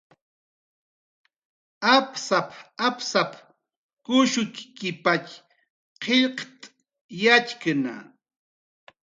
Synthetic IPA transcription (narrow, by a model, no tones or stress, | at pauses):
apsapapsap | kʊʃʊkkɪpak | qeʎqt̪ʼ | jat͡ʃkana̰